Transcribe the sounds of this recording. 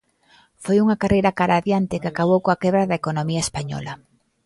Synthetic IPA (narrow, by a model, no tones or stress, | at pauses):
fojuŋɐkarejɾakaɾaðjant̪ɪkɪakaβ̞owkõakɛβɾaðɐekonomiɐespaɲɔ̰lɐ